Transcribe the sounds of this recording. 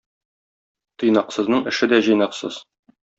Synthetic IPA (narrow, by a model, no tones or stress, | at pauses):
t̪ɤ̆jnɑqsɤ̆znɤɴɘ̆ʃɘd̪æʑɤ̆jnɑqsɤ̰z̥